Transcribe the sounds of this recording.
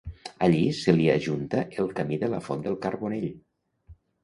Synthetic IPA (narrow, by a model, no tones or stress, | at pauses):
əʎisəliaʒunt̪əʔəlˠkəmiðələfond̪əlˠkarβoneʎ